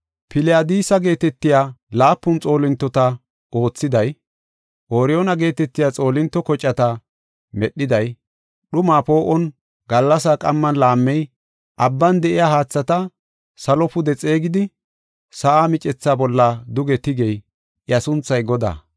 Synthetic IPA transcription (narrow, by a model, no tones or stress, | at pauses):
pʰɪlɪad̪iːsɐɡe̞ːt̪ɛt̪ːɪjaːlaːpːʊnt͡sʼo̞ːlɪnt̪ːɔt̪ɐ | o̞ːt͡sːɪd̪ɐj | ʔoːɾɪjonɐɡe̞ːt̪ɛt̪ːɪjaːt͡sʼo̞ːlɪnt̪ːɔkɔt͡ʃʼːɐt̪ɐ | mɛɗːɪd̪ɐj | ɗʊmaːpo̞ːʔɔn | ɡɐlːɐs̬akʼɐmːɐnlaːmːɛj | ʔɐbːɐnd̪ɛʔɪjaːhaːt͡sːɐt̪ɐ | sɐlɔpʊd̪ɛt͡sʼe̞ːɡɪd̪ɪ | sɐʔaːmɪt͡ʃʼɛt͡sːaːbɔlːɐd̪ʊɡɛt̪ɪɡɛj | ʔɪɐsʊnt͡sːɐjɡɔd̪a̰ː